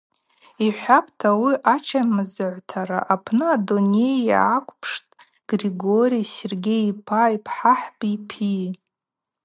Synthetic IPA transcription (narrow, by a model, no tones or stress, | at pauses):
iħʷapʰtʰawiʔat͡ʃʰamɨzɨʕʷtʰaɾa̰ʔapʰnɨadone̞jakʷʰʼpʰʂtʼ | ɡ̥riɡo̞ɾiserɡʲejpʰajipʰħaħbʼipʰi